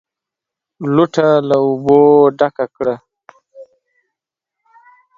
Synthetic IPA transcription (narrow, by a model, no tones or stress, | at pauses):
luʈʰalauboɖakakɽa